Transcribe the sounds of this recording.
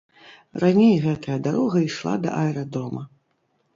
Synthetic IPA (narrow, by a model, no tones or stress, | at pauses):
ranʲejɣɛt̪ɐjɐd̪aɾɔɣɐiʂlˠa̰d̪ɐ̰ʔaɛɾad̪ɔmɐ